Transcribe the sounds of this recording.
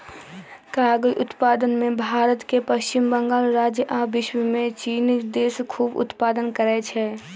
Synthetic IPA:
kaːɡəjʔʊt̪paːd̪ənmẽbʱaːɾət̪kepəʃt͡ʃɪmbə̃ŋɡaːlɾaːd͡ʒjəʔaːbɪʃwəmẽt͡ʃiːnd̪eːskʰuːbʊ̰t̪paːd̪ənkəɾɛt͡ʃʰɛː

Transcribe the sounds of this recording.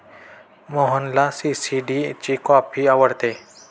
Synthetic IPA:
moɦənlasisiɖit͡ʃikɔːpʰiaʋəɽt̪eː

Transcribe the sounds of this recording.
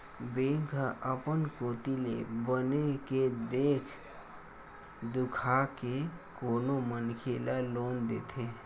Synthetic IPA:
beŋkaʔəpənkot̪ilḛbəneked̪ekʰ | d̪ukʰakekonomənkʰelalond̪et̪ʰe

